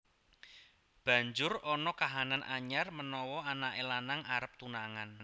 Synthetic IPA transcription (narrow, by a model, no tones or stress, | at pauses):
b̥ä̤ɲd͡ʒʊrɔnɔkaɦananʔaɲarmənɔwɔanaʔelanaŋaɾəp̚t̪unaŋan